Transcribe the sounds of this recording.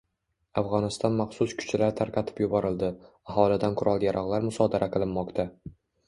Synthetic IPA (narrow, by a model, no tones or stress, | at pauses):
afʁɒnɪst̪ɒnmaχsʊskʰʊ̥t͡ʃʰalaɾt̪ʰaɾqʰɑt̪ʰɪ̥pjʊbɒɾɪlˠd̪ɪ | aɦɒlˠɪd̪anqʰʊɾʔɒlˠjaɾʔɒʁlˠaɾmʊsɒd̪aɾʔaqʰɨlˠɪnːɒqt̪ʰa